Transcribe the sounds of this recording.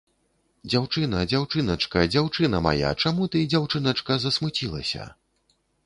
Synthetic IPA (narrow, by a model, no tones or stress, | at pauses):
d͡zʲawt͡ʂɨnɐd͡zʲawt͡ʂɨnɐt͡ʂkɐd͡zʲawt͡ʂɨnɐma̰ja̰t͡ʂamut̪ɨd͡zʲawt͡ʂɨnɐt͡ʂkɐzɐsmɨt͡sʲilˠɐ̰sʲɐ̰